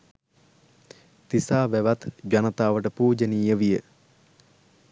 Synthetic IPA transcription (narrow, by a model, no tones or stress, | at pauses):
t̪isaːʋæʋat̪ɡanət̪aːʋəʈəpuːd͡ʒəniːjəʋijə